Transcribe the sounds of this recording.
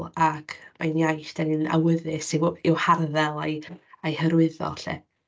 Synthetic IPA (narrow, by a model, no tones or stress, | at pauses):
akʰmajnjajθd̥anɨna̰wəðɪsɪwɪwharðɛlˠajajhəɾwɪðɔ̰ɬɛ̰